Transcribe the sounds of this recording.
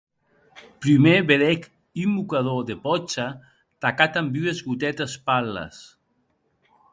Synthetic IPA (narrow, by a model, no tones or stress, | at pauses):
pɾimeβeðɛk | imukaðoðepɔt͡ʃa | t̪akat̪ambywezɣut̪ɛt̪espalɐ̰s